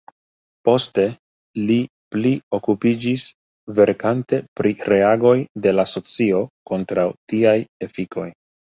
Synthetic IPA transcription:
po̞ste̞ | li | plio̞kupid͡ʒis | ve̞ɾkante̞pɾiɾe̞aɡo̞jde̞laso̞t͡sio̞ko̞ntɾawtiaje̞fikʰo̞j

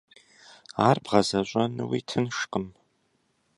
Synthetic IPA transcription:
aːrbʁɐzɐɕʷʼanɨwḭtʰɨnʂqʼəm

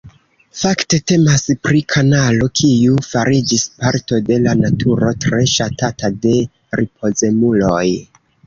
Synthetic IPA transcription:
fakte̞te̞maspɾikʰanalo̞kʰiufaɾid͡ʒispaɾto̞de̞lanatʰuɾo̞tɾe̞ʃatatade̞ | ɾʔip̚ʰo̞ze̞mulo̞j

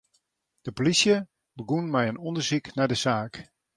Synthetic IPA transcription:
d̥əpolisjə | bəɡunmɛjənɔndərziknardəzaːk

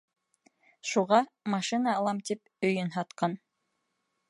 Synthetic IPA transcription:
ʃuʁɑmɑʃɨnɑːlˠɑmt̪ip | ɵ̆jɵnɦɑt̪qɑn

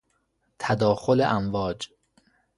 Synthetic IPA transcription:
t̪ʰæd̪ɒːxolḛʔæmvɒːd͡ʒ

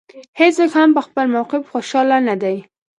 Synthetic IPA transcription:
heswəkhampəxpəlmawqɪfxoʃɑlanad̪aj

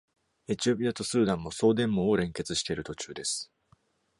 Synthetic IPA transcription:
e̞t͡ɕio̞p̬ʲiat̪o̞sɨːd̪ãmːo̞so̞ːd̪ẽ̞mːõ̞oɾẽ̞ŋke̞t͡sɨɕi̥t̪e̞ɾɯ̟t̪o̞t͡ɕɨːd̪e̞sɨ̥

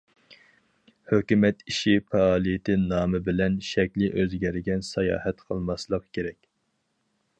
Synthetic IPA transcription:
høkʲymɛt̪iʃifʰɛɑːlˠijɪt̪ʰɪnɑːmɨbɪlɛnʃɛkʲlɪʔøzɡʲɛɾɡʲɛnsɑjɑ̰ːhɛt̪qʰəlˠmɑslˠəqkʲʰeɾɛkʲ

